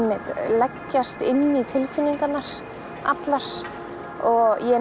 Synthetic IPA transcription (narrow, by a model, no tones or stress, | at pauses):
mːɪt̪lɛcːast̪ɪnːit̪ʰɪlfɪnːiŋkanːaɾ̥ | a̰t̪laɾ̥ | ɔɣɣjɛ